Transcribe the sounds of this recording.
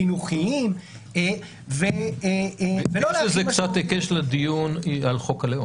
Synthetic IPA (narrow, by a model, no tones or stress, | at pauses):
inuχiim | e | ve | veloʃezekt͡sat̪ekeʃlad̪ijunalχokaleo